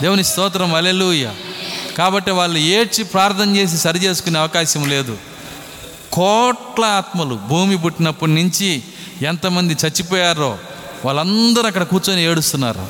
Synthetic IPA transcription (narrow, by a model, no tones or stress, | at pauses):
d̪eːʋunist̪ɔːt̪ɾɐmɐleluːjɐ̰kaːbɐʈːiʋaːɭːueːt͡ʃipɾaːɾt̪ʰɐmt͡ʃe̞ːs̬isɐɾit͡ʃe̞ːsu̥kuneːɐʋɐkaːʃɐmle̞ːd̪u | kɔːʈlɐaːt̪mɐlubʱuːmib̬uʈːinɐpːuɽnuɲt͡ʃi | ent̪ɐmɐnd̪it͡ʃɐt͡ʃːip̬ɔːjaːɾoː | ʋaːɭːɐnd̪ɐɾuɐkːɐɽɐkuːɾt͡ʃoːnieːɽust̪unːa̰ːɾṵ